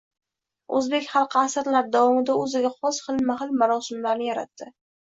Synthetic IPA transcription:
ɵzbe̞kʲχɑlˠqʰasɨɾlaɾd̪avɒmɪd̪aɵzɪɡʲaχɒsχɨlˠmahɪlˠmaɾɒsɪmlaɾnɪjaɾa̰t̪ːɪ

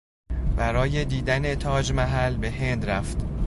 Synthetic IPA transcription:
bæɾɒːje̞d̪iːd̪ænet̪ʰɒːd͡ʒmæɦælbe̞ɦe̞nd̪ɾæft̪

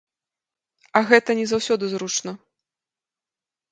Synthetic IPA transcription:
ɐɣɛt̪ɐnʲɛzawsʲɔd̪ɨzɾut͡ʂnɐ

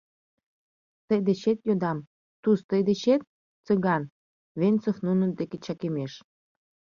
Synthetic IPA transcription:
t̪əjd̪eɕet̪jod̪ɑm | t̪ust̪əjd̪eɕet̪̚ | t͡səɣɑn | βent͡sofnunə̆d̪eket͡ɕɑkemeʃ

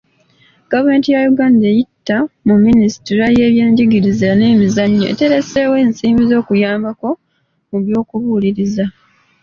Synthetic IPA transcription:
ɡ̥avume̞ːntijajuɡaːndejitːamumːinisi̥tiɾaje̞ːβje̞ːɲɟiɡiɾizaneːmizaɲːoʔḛte̞ɾe̞se̞ːwe̞ːnsiːmbizo̞ːkujaːmbako̞ | muβjo̞ːkuβuliɾiza

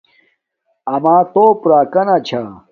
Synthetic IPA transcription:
ɐmaːt̪oːpuɾaːkɐnat͡ɕʰa

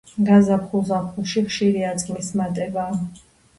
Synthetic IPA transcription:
ɡazapχulˠzapχuʃiχʃiɾiat̪sʼlismat̪ʼɛbaː

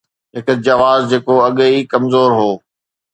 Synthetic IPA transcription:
ɦɪkd͡ʑɐʋaːzd͡ʑeːkoɐɠikɐmzoːɾɦoː

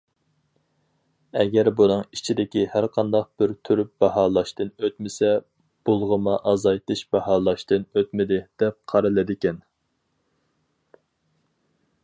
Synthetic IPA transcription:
ɛɡʲɛɾbunɨŋit͡ʃʰid̪ɪkʲihæɾqʰɑnd̪ɑq̚b̥ɪɾt̪ʰyɾyp̚b̥ɑɦɑːlˠɑʃt̪ɨnøt̪mɪsɛ | b̥ulˠʁəmɑʔɑzɑjt̪ɨʃbɑhɑːlˠɑʃt̪ɨnøt̪mɪd̪ɪd̪̥ɛp̚qʰɑɾɨlˠɨd̪ɪkʲɛn

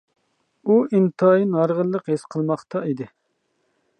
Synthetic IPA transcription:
uint̪ʰɑːjinɑɾʁəlˠːəqɦesqʰəlˠmɑχt̪ɑid̪ɪ

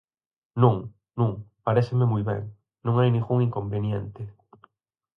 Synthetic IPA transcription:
nũŋ | nũŋpaɾesɪmemujβɛ̰ŋ | nũŋajnĩŋɡuŋiŋkombenjent̪ɪ

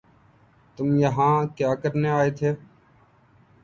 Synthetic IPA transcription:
t̪ʊmjəɦãːkjaːkəɾneːaːeːt̪ʰeː

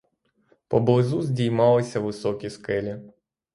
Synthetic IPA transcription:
pɔblˠɪzuzʲdʲijmɑlˠɪsʲɐʋɪsɔkʲiskɛlʲi

